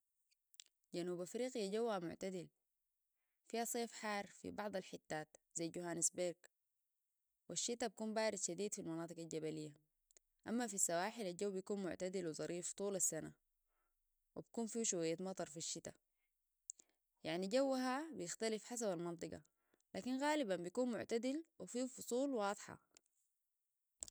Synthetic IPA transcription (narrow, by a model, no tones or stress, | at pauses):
ɟanuːbafɾiːqijaɟawːhamʊʕt̪ad̪il | fihasˤeːfħɑːɾˤfḭbɑʕd̪ˤɑlħɪt̪ːaːt̪zajɟuhaːnisbeɾɡ | wiʃːit̪abikuːmbaːɾid̪ʃad̪iːd̪filmɑnɑːt̪ˤɨɡald͡ʒabalijːa | ʔamːafisːawaːħilald͡ʒawːbijakuːnmʊ̰ʕt̪ad̪ilwizˤɑɾiːft̪ˤuːlasːana | wḭbakuːnfiːʃuwajːat̪mɑt̪ˤɑɾˤfiʃːit̪a̰ | jaʕniɟawːɦabijɪxt̪alifħas̬abalmɑnt̪ˤɨɡɑ̰ | laːkinɣaːlibanbijkuːnmʊ̰ʕt̪ad̪ilwifiːfʊsˤuːlwɑːd̪ˤħɑ̰